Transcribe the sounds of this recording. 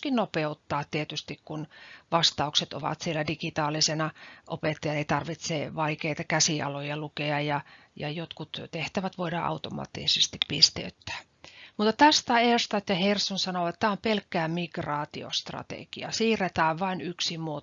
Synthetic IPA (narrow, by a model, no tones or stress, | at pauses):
kinnopeut̪ːɑːt̪tiet̪yst̪ikkunʋɑst̪ɑukset̪o̰ʋɑ̰t̪sielædiɡit̪ɑːlisenɑʔopet̪ːɑjɑeit̪ɑrʋit̪seʋɑikeit̪ɑkæsiʔɑ̰lojɑlukeɑjɑ | jɑjot̪kut̪t̪eht̪æʋæt̪ʋoidɑʔɑ̰ut̪omɑ̰ːt̪ːḭsest̪ippist̪ḛyt̪ːæ̥ː | mut̪ːɑt̪æst̪ɑerst̪ɑt̪jɑhersonsɑnoʋet̪ːæompelkːæːmiɡ̥rɑːt̪io̰st̪rɑ̰t̪ḛɡ̥iɑ̰siːret̪æːʋʋɑinyksimuo